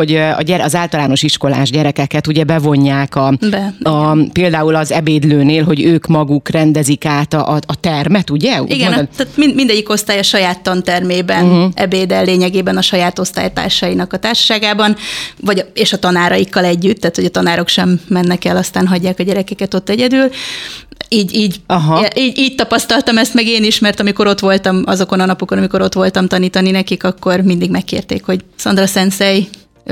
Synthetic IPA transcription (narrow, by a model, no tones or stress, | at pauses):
oɟɒ̰ɟɛɾɒzaːlt̪ɒlaːno̞ʃiʃko̞la̰ːʒɟɛɾɛkɛkɛt̪uɟɛbɛvo̞ɲːaːkɒbɛpeːld̪aːulɒzɛbeːd̪løːneːlɦo̞ɟøːkmɒɡukrɛnd̪ɛzikaːt̪ɒʔːt̪ɛrmɛt̪uɟɛiɡɛat̪mimind̪ɛɟːiko̞st̪aːjɒʃɒjaːt̪ːɒnt̪ɛrmeːbɛnɛ̰beːd̪ɛlːeːɲɛɡeːbɛnɒʃɒjaːt̪o̞st̪a̰ːjt̪a̰ːrʃɒjinɒkɒt̪aːrʃɒ̥ʃaːɡaːbɒnvɒɟeːʃɒt̪ɒnaːɾɒjikːɒlɛɟːyt̪ːaːt̪ho̞ɟɒt̪ɒnaːɾo̞kʃɛmːɛnːɛkɛlɒst̪aːnɦɒɟːaːkɒɟɛɾɛkɛkɛt̪o̞t̪ːɛɟɛd̪yːl | iːɟiːɟɦʔiːɟiːɟ̚t̪ɒpɒst̪ɒlt̪ɒmɛst̪mɛɡeːniʃmɛrt̪ɒmiko̞ɾo̞t̪ʋo̞lt̪ɒmɒzo̞ko̞nɒnɒpoko̞nɒmiko̞ɾo̞t̪ʋo̞lt̪ɒmt̪ɒniːt̪ɒninɛkikɒkːo̞rmind̪iɡmɛkːḛːrt̪ḛːkho̞ɟsɒnd̪rɒsɛnsɛj